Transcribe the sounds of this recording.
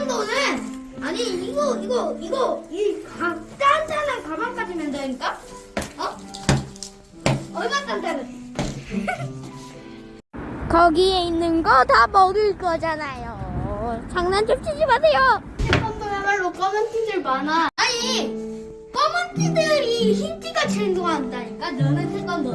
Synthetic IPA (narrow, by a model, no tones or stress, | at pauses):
nɡʌnɯn | aɲiiɡʌiɡʌiɡʌikat͈antʰanɯkamak͈ad͡ʑimjʌndaɲik͈a | ʌ | ʌɭmant͈andanɯn | kʌɡie̞inːɯnɡʌtamʌdɯɭk͈ʌd͡ʑanajo | t͡ɕaŋnant͡ɕʌmt͡ɕ͈ʰid͡ʑimasʰe̞jo | tʰekʌndomemaɭːop͈ʌmɯntʰidɯɭmanaa | p͈ʌmɯntʰidɯɾiçintiɡat͡ɕeɭdoaɦandaɲik͈anʌnɯntʰeŋɡʌndo